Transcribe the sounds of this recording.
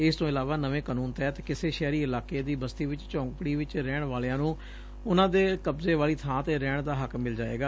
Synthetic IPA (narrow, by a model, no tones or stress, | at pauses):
ɪst̪õːɪlaːʋaːnəʋẽːkanũːnt̪ɛːt̪ːkɪseːʃɛːɾiːɪlaːkeːd̪iːbəst̪iːʋɪt͡ʃt͡ʃɔ̃ːŋkɽiːʋɪt͡ʃɾɛːɳʋaːlejãːnũː | ʊnãːd̪eːkəbzeːʋaːliːt̪ʰãːt̪eːɾɛːɳd̪aːɦəkmɪld͡ʒaːḛːɡaː